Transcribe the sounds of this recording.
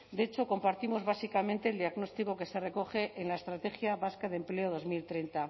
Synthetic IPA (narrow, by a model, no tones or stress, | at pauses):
d̪eet͡ʃo̞ko̞mpaɾt̪imo̞zβasikamẽ̞nt̪e̞ːld̪iaɣno̞st̪iko̞ke̞se̞re̞ko̞χe̞ʔenlaest̪ɾat̪e̞xjaβaskaðemple̞o̞ð̞o̞zmilt̪ɾent̪a